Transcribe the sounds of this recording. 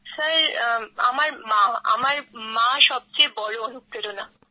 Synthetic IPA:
saɾa̰maɾmaa̰maɾmãʃɔb̚t͡ɕejbɔɭoonuk̪ːeɾona

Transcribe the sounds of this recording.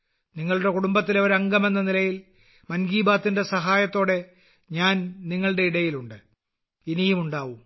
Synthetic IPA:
niŋːɐɭuɽe̞kuɽumbɐt̪̬ːileʋɐɾɐŋɡɐme̞nːɐnilɐjil | mɐnɡiːbaːt̪ːinde̞sɐɦaːjɐt̪ːo̞ːɽe̞ | ɲaːnniŋːɐɭɽe̞iɽɐjiluɳɖɨ | inijumuɳɖaːʋum

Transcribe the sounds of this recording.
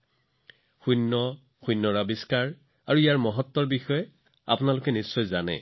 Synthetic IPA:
xunːɔ | xujnːɔɹabiskaɹ | aɹuijaɹmɔɦɔtːɔɹbixɔjɛ | a̰pʊnalʊkɛnisːɔjzanɛ̰

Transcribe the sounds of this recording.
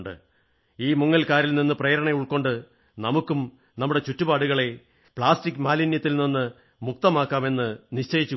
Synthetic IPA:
ɳɖɨ̰ | iːmuŋːɐlkaːɾilninːɨprejɾɐɳɐjuɭkːo̞ɳɖɨ | nɐmukːum | nɐmːuɽe̞t͡ɕutːubaːɽuɣɐɭe̞ | pɭaːstikːmaːlinjɐt̪ːilninːɨ | muk̚t̪ɐmaːkːaːme̞nːɨniɕt͡ɕɐjit͡ɕːu

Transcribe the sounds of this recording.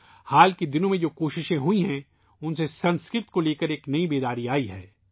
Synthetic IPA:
haːlkid̪ɪnõmẽd͡ʒoːkoːʃɪʃẽɦuiɦɛ̃ | ʊnsesɐ̃nskɾɪt̪koleːkəɾeːknɐibeːd̪aːɾiaːiɦɛ̰ː

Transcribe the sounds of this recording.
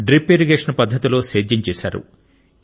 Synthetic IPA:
ɖɾipeːɾiɡeːʂɐnpɐd̪ʱːɐt̪ilo̞ːseːd͡ʒɐɲt͡ʃeːsa̰ːɾṵ

